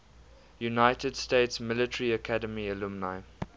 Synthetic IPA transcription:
junaɪtʰədsteɪtsmɪlətəɹiəkʰadəmiəlumnaɪ

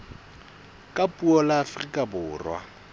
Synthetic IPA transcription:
kʼapʼuɔlaːfrikʼabʊːrwa̰

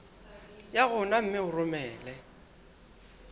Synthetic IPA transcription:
jaɣʊnam̩mɪʊrʊmɛːlɛ

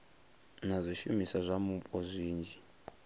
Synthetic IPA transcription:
nazʷiʃumisazʷamupʼɔzʷiːnd͡ʒi

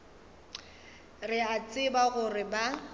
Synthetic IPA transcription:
rɪat͡sʼɪbaɣʊrɪba

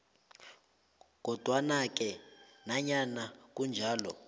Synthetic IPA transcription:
k̬ɔd̥ʱwanak̬ɛnaɲanak̬und͡ʒʱaːlɔ

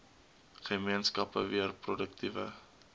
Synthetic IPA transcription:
χəmiənskɐpə̰viərprɔdək̚tivə̰

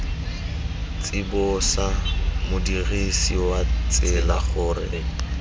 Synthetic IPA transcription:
t͡sʼɪbʊsamʊdiɣisiwat͡sʼɪlaχʊrɪ̰

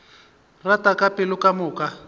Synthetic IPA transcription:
ratakapɪlʊkamʊːka

